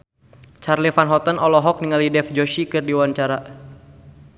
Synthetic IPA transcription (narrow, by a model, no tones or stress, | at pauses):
t͡ʃarlifanɦɔt̪ənɔlɔɦɔk̚niŋalidɛfd͡ʒoʃikɨrdiwaɲt͡ʃaɾa